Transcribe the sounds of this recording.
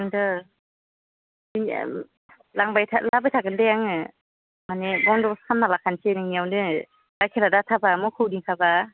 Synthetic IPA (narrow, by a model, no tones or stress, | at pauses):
ŋdɯ | in̰ | laŋbajtʰalabajtʰakɯndɯjaŋɯ | manebɔŋdɔskʰamnalakʰansenɯŋniawdɯ | dakʰeladatʰabamɔkʰɯwdiŋkʰaba